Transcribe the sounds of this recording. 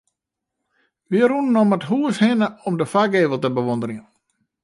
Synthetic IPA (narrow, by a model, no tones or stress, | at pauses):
ʋiəɾunːɔmətɦuəshɪnəɔmdəfaɡeːvəlˠtəbəʋondəɾɪŋə